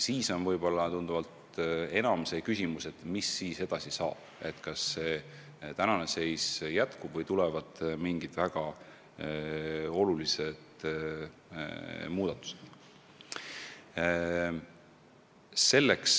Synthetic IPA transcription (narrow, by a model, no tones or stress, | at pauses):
siːso̞nvɤjb̥o̞lːɑt̪und̪̥uvɑlt̪ | e̞nɑmsekysʲimuse̞t̪misːiːse̞d̪̥ɑsisɑ̰ːb̥e̞t̪kɑsːe̞ː | t̪ænɑnese̞jsjæt̪kub̥vɤjt̪ulɛvɑd̪̥miŋɡit̪væɡ̥ɑ | o̞lulise̞d̪̥ | muːd̪̥ɑt̪ːˑu̥se̥t̪ | se̞lːeks